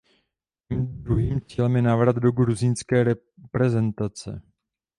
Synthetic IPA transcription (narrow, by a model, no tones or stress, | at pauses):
imdɾuɦiːmt͡siːlɛmjɛnavɾad̪do̞ɡɾuzinskɛːɾɛ | pɾɛzɛnt̪at͡sɛ̰